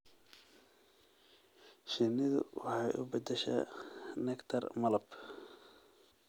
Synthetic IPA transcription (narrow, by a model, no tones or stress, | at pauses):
ʃɪnɪðʊ̰wɑħɑjʔʊ̰bɐd̪ɛʃa̰nɛkt̪ʰɐrmɐlɐb